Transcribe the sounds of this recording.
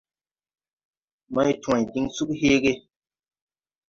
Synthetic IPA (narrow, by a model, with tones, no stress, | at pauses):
mã˦jtw̃ã˨jdi˦ŋsu˦kheː˦ɡe˦